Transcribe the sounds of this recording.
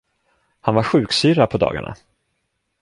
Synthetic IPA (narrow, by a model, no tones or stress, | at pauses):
hanvaɾɧʉ̟ːksyːɾapʰɔd̪ɑ̰ːɡa̰ɳa̰